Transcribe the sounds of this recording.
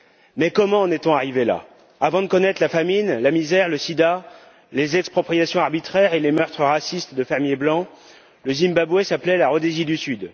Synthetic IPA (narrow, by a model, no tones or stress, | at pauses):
mɛkɔmɑ̃ːnɛt̪ɔ̃aʁivela̰ | avɑ̃d̪əkɔnɛt̪χlafaminlamizɛʁləsid̪a | lezɛkspχɔpχijasjɔ̃aʁbit̪χɛʁelemœʁt̪χəʁasist̪d̪əfɛʁmjeblɑ̃ | ləzimbabwɛsaplɛlaʁɔd̪ezid̪ysyd̪